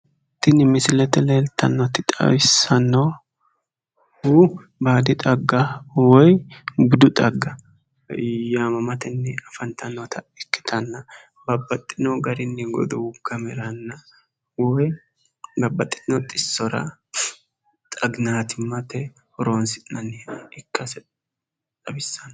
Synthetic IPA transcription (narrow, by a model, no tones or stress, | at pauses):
t̪ːɪnɪmɪsɪlɛt̪ɛleːlt̪ːɐnːɔt̪ɪt̪ʼɐ̰wɪsːɐnːɔ | hu | baːd̪ɪt̪ʼɐɡːawɔjbʊd̪ʊt̪ʼɐɡːɐ | jaːmɐmɐt̪ɛnːɛɐfɐnt̪ɐnːɔt̪ʰɐɛkːɪ̥t̪ʰɐnːɐ | bɐbːɐt̪ʼːɪnɔɡɐɾɪnːɛɡɔ̰d̪ɔwʊɡ̥ɐmɛɾɐnːɐ | wɔj | bɐbːɐt̪ʼːɪ̥t̪ɪnɔt̪ʼɪsːɔɾɐ̰ | t̪ʼɐɡnaːt̪ɪmɐt̪ɛ | hɔɾoːnsɪnɐnɛɪkːɐsɛ | t̪ʼɐbɪsːɐnː